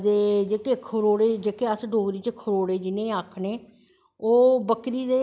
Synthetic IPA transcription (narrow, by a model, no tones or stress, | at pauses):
d̪eːd͡ʒeːkeːkʰəɾoːɽeːd͡ʒeːkeːəsɖoːɡɾiːt͡ʃəkʰəɾoːɽeːd͡ʒɪnẽːaːkʰɳeː | oːbəkɾiːd̪eː